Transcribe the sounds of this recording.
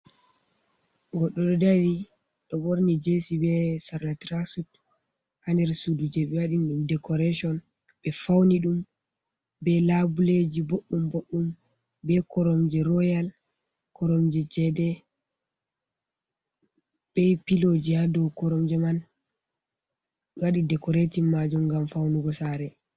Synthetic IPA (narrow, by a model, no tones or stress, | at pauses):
ɡɔɗːɔɗɔdaɾi | ɗɔboɾnid͡ʒesibɛsaɾlatɾasut | handɛɾsudud͡ʒɛɓɛwaɗinɗumdɛkɔɾɛʃɔn | ɓɛfawniɗum | bɛlabuled͡ʒiboɗːumboɗːum | bɛkɔɾɔmd͡ʒɛɾɔjal | kɔɾɔmd͡ʒɛd͡ʒɛdɛ | b̥ɛpilod͡ʒihadɔwkɔɾɔmd͡ʒɛman | waɗidɛkɔɾetimːad͡ʒumɡamfawnuɡɔsaɾɛ